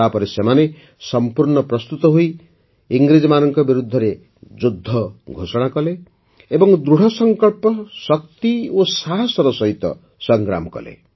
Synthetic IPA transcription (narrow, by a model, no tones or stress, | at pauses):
apɔɾesemane | sɔmpuɾɳɔpɾɔst̪ut̪ɔɦuj | iŋɡɾid͡ʒɔmanɔŋkɔbiɾud̪ʱːɔɾe | d͡ʒud̪ʱːɔɡʱosɔɽ̃akɔle | ebɔŋd̪ɾuɽ̤ɔsɔŋkɔɭpɔsɔk̚t̪iosaɦɔsɔɾɔsɔɦit̪ɔ̰ | sɔŋɡɾa̰mɔkɔ̰lḛ